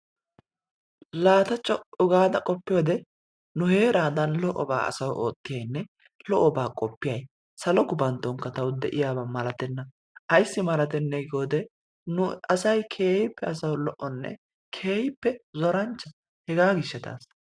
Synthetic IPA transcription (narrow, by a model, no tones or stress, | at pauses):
laːt̪ɐt͡ʃʼːɔʊɡaːd̪ɐkʼɔpːɪjoːd̪ɛ | nʊhe̞ːɾaːd̪ɐnlɔʔɔba̰ːɐ̰sɐwoːt̪ːɪjɐjnːɛ | lɔʔɔbaːkʼɔpːɪjɐj | sɐlɔɡʊbɐnt̪ːɔŋkɐt̪ɐwd̪ɛʔɪjaːbɐmɐlɐt̪ɛnːɐ | ʔɐjsːɪmɐlɐt̪ɛnːɛɡoːd̪ɛ | nʊɐsɐjkʰe̞ːhɪpːɛɐsɐwlɔʔɔnːɛ̰ | kʰeːhɪpːɛzɔɾɐnt͡ʃːɐ | hɛɡaːɡɪʃːɛt̪a̰ːs